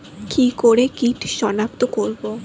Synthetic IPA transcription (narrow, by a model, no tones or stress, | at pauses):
kikoɾekiʈʰʃɔnap̚t̪okoɾbo